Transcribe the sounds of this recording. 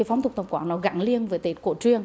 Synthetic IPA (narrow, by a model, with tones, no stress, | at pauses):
fa˨˦wŋ͡mt̪ʊ˨˩ŋ͡m̚t̪ə˨˩ŋ͡mkwaː˨˩nɔ˨˦ɣa̰ː˧˥ŋli˧ənvəː˨˦jt̪e˨˦˩t̚ko˧˩t͡ɕwi˧əŋ